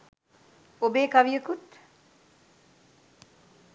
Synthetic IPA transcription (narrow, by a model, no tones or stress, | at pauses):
obeːkɐʋijəkut̪